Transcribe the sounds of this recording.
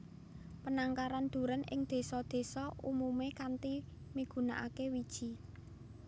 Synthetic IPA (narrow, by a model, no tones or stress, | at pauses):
pənaŋkaɾand̪̥ṳɾənɪ̰ŋd̪̥e̤sɔd̪̥e̤sɔumumekant̪i | miɡ̥ṳna̰ʔa̰kewid̥ʒ̥i̤